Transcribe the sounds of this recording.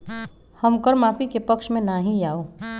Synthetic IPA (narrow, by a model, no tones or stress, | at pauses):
hɐmkəɾmaːfikepəkʃmẽnaɦĩaːoː